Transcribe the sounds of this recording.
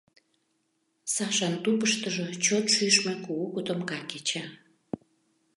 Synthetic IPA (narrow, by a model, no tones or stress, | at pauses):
sɑʃɑnt̪upəʃt̪əʒot͡ɕot̪ʃyʃmekuːkut̪əmkɑket͡ɕa